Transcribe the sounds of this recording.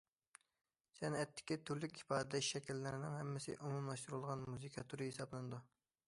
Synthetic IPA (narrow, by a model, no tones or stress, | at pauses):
sɛnɛt̪ʰːɪ̥kʲit̪ʰyɾlykʲipɑːd̪ɪd̪ɛʃʃɛkʲilːɪɾɪnɪŋhɛmːɪsɪ̰ʔumumlˠɑʃt̪uɾulˠʁɑnmuzɨkʰɑt̪ʰuɾɨɦesɑblˠɨnɨd̪u